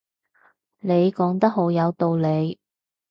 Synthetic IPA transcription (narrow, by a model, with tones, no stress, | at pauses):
ne˨˧jkɔː˨˥ŋt̪ɐ˥k̚ɦo˨˥wjɐ˨˧wt̪o˧wle˨˧j